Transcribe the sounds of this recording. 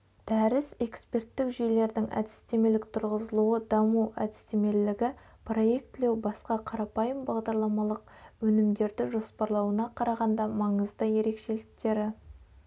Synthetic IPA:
d̪̥æɾɪse̞kspʲe̞rt̪ːɪkʒejle̞ɾd̪ɪŋʔæ̰d̪ɪst̪e̞me̞lɪk̚t̪ʰʊɾʁəzəlˠuəd̪ɑmuæ̰d̪ɪst̪e̞me̞llɪɡʲɪ | pro̞je̞k̚t̪ːɪle̞wbɑsqɑqʰɑɾɑpɑjəmbɑʁd̪ɑɾlˠɑmɑlˠəq̚wɵnɪmd̪e̞ɾd̪ɪʒo̞spɑɾlˠɑwənɑqʰɑɾɑʁɑnd̪ɑmɑɴəzd̪əje̞ɾe̞kʃe̞lɪk̚t̪e̞ɾɪ

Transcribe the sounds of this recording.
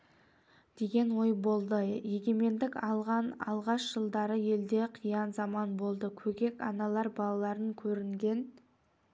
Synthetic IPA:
d̪e̞ɡʲe̞nwo̞jbo̞lˠd̪əje̞ɡʲe̞me̞nd̪ɪkɑlˠʁɑnɑ̰lˠʁɑʃʒ̥əlˠd̪ɑɾəje̞ld̪e̞qʰəjɑnzɑmɑnbo̞lˠd̪əkʲʰɵɡʲe̞kɑnɑlˠɑɾbɑlˠɑlˠɑɾəŋkʲʰɵɾɪŋɡʲe̞n

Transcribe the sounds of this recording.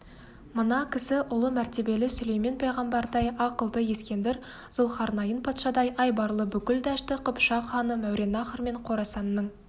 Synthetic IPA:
mənɑkʲʰɪsɪʔʊlˠəmæɾt̪e̞be̞lɪsɵlejme̞npʰɑjʁɑmbɑɾd̪ɑjɑqəlˠd̪əje̞skʲe̞nd̪ɪɾ | z̥olˠχɑɾnɑjənpʰɑt̪ʃɑd̪ɑjʔɑjbɑɾlˠəbʏkʲɪld̪æʃt̪ɪqʰəpʃɑχɑnəmæwɾʔe̞nɑχərme̞ɴqʰo̞ɾɑsɑnːəɴ

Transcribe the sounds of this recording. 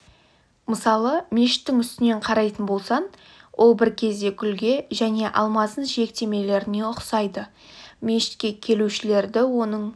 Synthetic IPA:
məsɑlˠəmʲe̞ʃɪ̥t̪ːɪŋʏst̪ɪne̞ɴqʰɑɾɑjt̪ənbo̞lˠsɑn | wʔo̞lˠbɪɾkʲʰe̞zd̪e̞kʲʰʏlɡʲe̞ʒæne̞ʔɑ̰lˠmɑzənʒe̞k̚t̪e̞me̞le̞ɾɪne̞ʊqsɑjd̪ə | mʲe̞ʃɪ̥t̪kʲe̞kʲʰe̞luʃɪle̞ɾd̪ɪwo̞nəɴ

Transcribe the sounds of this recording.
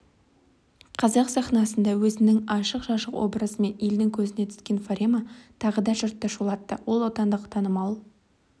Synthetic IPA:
qʰɑzɑqsɑχnɑsənd̪ɑwɵzɪnɪŋɑʃəqʒɑʃəqwo̞̰bɾəzəme̞neld̪ɪŋkʲʰɵzɪne̞t̪ʰɪ̥skʲe̞nfaɾʲemat̪ʰɑʁəd̪ɑʒʊɾt̪ːɑʃulˠɑt̪ːə̰wo̞lˠot̪ɑnd̪əqt̪ʰɑnəmɑlˠ

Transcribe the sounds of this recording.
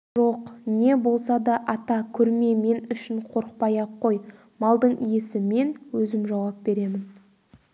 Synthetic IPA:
ʒo̞qne̞bo̞lˠsɑd̪ɑʔɑt̪ɑkʲʰɵɾme̞me̞nʏʃɪɴqʰo̞ɾq̚pɑjɑqʰːo̞j | mɑlˠd̪əɴije̞sɪme̞nwɵzɪmʒɑwɑp̚be̞ɾe̞mɪn

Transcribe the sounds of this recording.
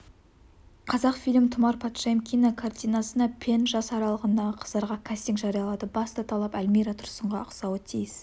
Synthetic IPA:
qʰɑzɑqfijlʲmt̪ʰʊmɑɾpʰat̪ʃajmkʲʰijnakʰart̪ijnɑsənɑpʲʰe̞nʒɑsɑɾɑlˠəʁənd̪ɑʁəqʰə̥zd̪ɑɾʁɑkʲʰast̪iŋkʒɑɾijɑlˠɑd̪əbɑst̪ɑt̪ʰɑlˠɑpælʲmijɾat̪ʰʊɾsəɴʁɑʊqsɑwət̪ʰijɪs

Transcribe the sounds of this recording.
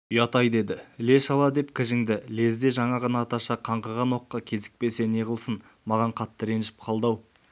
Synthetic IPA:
ʊjɑt̪ɑjd̪e̞d̪ɪle̞ʃɑlˠɑd̪e̞pkʲʰɪʒɪŋd̪ɪle̞zd̪e̞ʒɑɴɑʁɑnɑːt̪ɑʃɑqʰɑɴqɑʁɑno̞qːɑkʲʰe̞zɪ̥k̚pe̞se̞neʁəlˠsən | mɑʁɑɴqʰɑt̪ːəɾe̞nʃɪ̥p̚qʰɑlˠd̪ɑw

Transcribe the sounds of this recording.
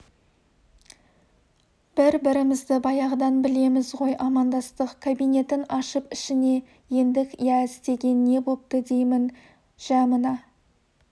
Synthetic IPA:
b̥ɪɾbɪɾɪmɪzd̪ɪbɑjɑʁd̪ɑnbɪle̞mɪzʁo̞jʔɑmɑnd̪ɑst̪əqkʰabijne̞t̪ɪnɑʃəpɪʃɪne̞ | je̞nd̪ɪkʲjæɪst̪e̞ɡʲe̞nːe̞bolˠp̚t̪əd̪e̞jmɪn | ʒ̥ɑmənɑ

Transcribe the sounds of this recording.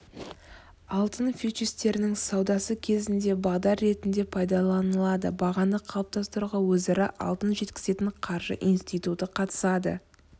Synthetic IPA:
ɑlˠt̪ənfʲit͡ʃist̪e̞ɾɪnɪŋsɑwd̪ɑsəkʲʰe̞zɪnd̪e̞bɑʁd̪ɑɾːe̞t̪ɪnd̪e̞pʰɑjd̪ɑlˠɑnəlˠɑd̪əbɑʁɑnd̪əqʰːɑlˠəp̚t̪ɑst̪əɾuʁɑwɵzɑɾɪ̰ʔɑ̰lˠt̪ənʒe̞t̪kʲɪ̥ze̞t̪ɪɴqʰɑɾʒə̰ʔinst̪ijt̪ut̪əqʰɑt̪ə̥sɑd̪ə̰

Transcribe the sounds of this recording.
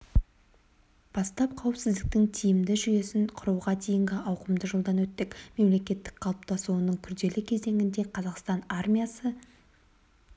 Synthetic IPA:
b̥ɑst̪ɑp̚qʰɑwɪpsɪzd̪ɪk̚t̪ɪŋt̪ʰijɪmd̪ɪʒʏje̞sɪnqʰʊɾuwʁɑd̪ʰejɪŋɡʲɪʔɑwqəmd̪əʒəlˠd̪ɑnwɵt̪ːɪkme̞mle̞kʲe̞t̪ːɪ̥k̚qʰɑlˠəp̚t̪ɑsuwənəɴkʲʰʏɾd̪e̞lɪkʲʰe̞ze̞ŋɡʲɪnd̪e̞qʰɑzɑqst̪ɑnarmʲijasə

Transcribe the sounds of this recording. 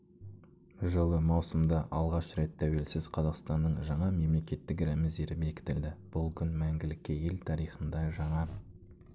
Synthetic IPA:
ʒəlˠəmɑwsəmd̪ɑʔɑlˠʁɑʃɾe̞t̪ʰːæwe̞lsɪzqʰɑzɑqst̪ɑnːəɴʒɑɴɑme̞mle̞kʲe̞t̪ːɪkɾæmɪzd̪e̞ɾɪbe̞kʲɪ̥t̪ɪld̪ɪb̥ʊlˠkʲʰʏnmæŋɡʲɪlɪkʲːɪje̞lt̪ʰɑɾijχənd̪ɑʒɑɴɑ

